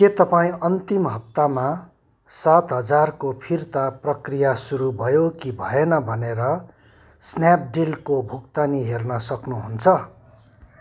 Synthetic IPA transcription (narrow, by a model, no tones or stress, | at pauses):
ket̪ʌpaĩʌnt̪imɦʌp̚t̪ama | sat̪ɦʌd͡zarkopʰirt̪aprʌkrijasuɾubʱʌjokibʱʌenʌbʱʌneɾʌ | snjap̚ɖilkobʱukt̪aniɦernʌsʌknuɦunt͡sʰʌ